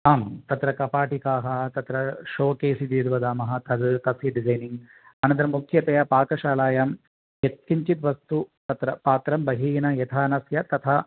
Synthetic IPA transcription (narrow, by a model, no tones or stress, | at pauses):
aːmt̪ɐt̪ɾɐkɐpaːʈikaːɦɐt̪ɐt̪ɾɐʃoːkeːsid̪eːd̪uʋɐd̪aːmɐɦɐ̆t̪ɐd̪t̪ɐsjɐɖid͡ʒɐjniŋɡ | ɐnɐnt̪̬ɐɾɐmːukʰjɐt̪ɐjɐpaːkɐʃaːlaːjaːm | et̪̚kiɲt͡ʃit̪ʋɐst̪ut̪ɐt̪ɾɐpaːt̪ɾɐmbɐɦiːnɐjɐt̪ʰaːnɐsjɐt̪ɐt̪ʰɐ